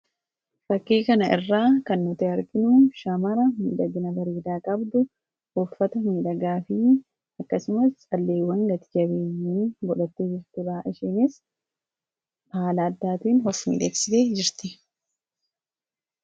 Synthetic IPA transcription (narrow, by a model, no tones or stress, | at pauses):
ɾɐkːeːkɐnɐʔɪrːaːkɐnːʊt̪ɛɐɾɡɪnʊʃɐmɐɾɐmḭːᶑɐɡɪnɐbɐɾeːd̪aːkʼɐbd̪ʊ | ufːɐt̪ɐmiːᶑɐɡaːfɪ | ɐkːɐsʊmɐst͡ʃʼɐlːeːwːɐŋɡɐt̪ɪɡɐbeːɲːɪnbɔᶑɐt̪ːed͡ʒɪɾt̪ɪbaʔɪʃeːnɪs | haːlɐːd̪ːaːt̪iːnhɔfːḭːᶑeːksɪt̪eːd͡ʒɪɾt̪ɪ